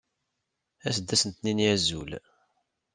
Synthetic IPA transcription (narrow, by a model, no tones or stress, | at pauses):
æsəd̪ːæsənt̪ninjæzul